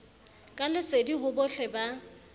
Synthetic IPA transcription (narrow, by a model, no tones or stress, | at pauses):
kʼalɪsediɦʊbʊɬɛba